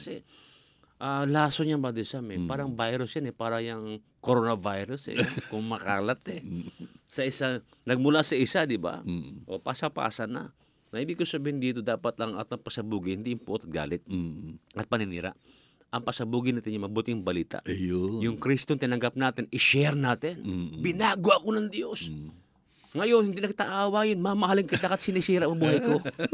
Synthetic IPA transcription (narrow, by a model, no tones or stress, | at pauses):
ɐsɛ | ʔalaːsoɲaŋbaːd̪ɪlsamɛpaːɾɐŋbajɾʊsjɐnɛpaːɾɐjɐŋ | koɾonɐvajɾʊsɛ̰kʊŋmɐkaːlɐt̪ɛ | sɐʔɪsa | nɐɡ̚mʊlasɐʔɪsad̪ɪba̰ʔo̞paːsɐpa̰ːsɐnɐ̰ | mɐhiːbɪɡkosɐbiːhɪnd̪iːt̪o̞d̪aːpɐt̪lɐŋʔat̪ɐŋpɐsɐbuːɡɪhɪnd̪ijʊŋpot̪ɐt̪̚ɡa̰ːlɪt̪̚ʔɐt̪̚pɐnɪnḭːɾa̰ʔ | ʔɐŋpɐsɐbuːɡɪnaːt̪ɪnjʊmɐɐbuːt̪ɪŋbɐliːt̪a̰ʔjojʊŋkɾist̪ont̪ɪnɐŋɡap̚naːt̪ɪnʔɪʃɛɾnaːt̪ɪnbɪnaːɡwaʔɐkonɐŋd̪jos | ŋɐjo̞nhɪnd̪iːnɐkɪt̪aʔaːwajɪnmɐmɐhalɪŋkɐjd̪aːpɐt̪sɪnisiːɾɐʔmɐbuːɦɐjko